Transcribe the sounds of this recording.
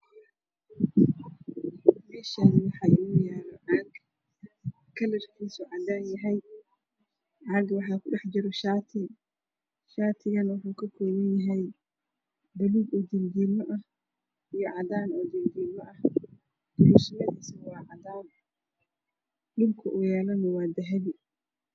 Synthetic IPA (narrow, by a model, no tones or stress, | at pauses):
mɛːʃaːnwɑħɑːɪʊjaːɾɔʕɑɡ | kʰːɐlɐrkʰiːsʊʕɑd̪aːnjɐɦɛj | ʕɑːɡwɑħɑːkʰʊɖɛħd͡ʒɪɾɔʃaːt̪ʰɪ | ʃaːt̪ʰɪɣɐnwʊħuːkʰɐkʰɔːmɐnjɐɦɛj | bɐliːɡɔːd̪ind̪iːmɔʔɐh | ijɔʕɑd̪aːnɔd̪ind̪iːlɔʔɐh | d̪̥ʊluʃɐlɐdisɐwɑːʕɑd̪aːn | lɪbkʰɐʔujɛːlɔnɐwɑːd̪ɐɦɐβɪ